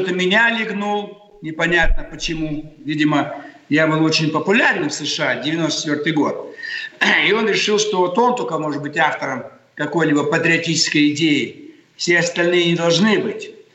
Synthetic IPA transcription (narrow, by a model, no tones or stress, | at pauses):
ot̪əmʲɪnʲalʲɪɡnulˠ | nʲɪpɐnʲat̪̚nəpət͡ɕɪmuvʲidʲɪmə | jabɨlˠo̞t͡ɕɪnʲpəpʊlʲaɾʲnnfsɨʂɨadʲɪvʲɪno̞st̪ət͡ɕʲɪt̪vʲo̞rt̪ɨjɡo̞t̪̚ | ɪo̞nɾʲɪʂɨlˠʂt̪o̞vot̪o̞nt̪okəmo̞ʐɨt̪bɨtʲaft̪əɾəm | kɐko̞jlʲibəpət̪ɾʲɪɐtʲit͡ɕɪ̥skəjɪdʲejɪ | fsʲeɐst̪ɐlʲnɨjənʲɪd̪ɐlˠʐnɨbɨtʲ